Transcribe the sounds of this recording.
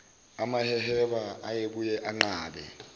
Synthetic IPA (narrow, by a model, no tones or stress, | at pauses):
amahɛhɛɓaajeɓujɛʔaŋ͡ǃaːɓɛ̰